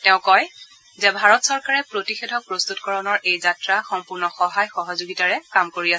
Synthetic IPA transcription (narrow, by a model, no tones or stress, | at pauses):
tɛʊ̃kɔj | zɛbʱaɹɔtsɔɹkaɹɛpɹotixedʱɔk̚pɹost̪utkɔɹɔnɔɹʔejzatɹaxɔmpʊɹnɔxɔɦajxɔɦɔzoɡitaɹɛkamkoɹiasɛ